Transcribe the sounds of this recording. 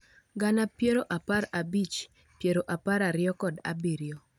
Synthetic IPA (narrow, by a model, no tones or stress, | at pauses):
ɡanapjeɾoʔapaɾabit͡ʃ | pjeɾoʔapaɾaɾɪɔkɔda̰biɾjo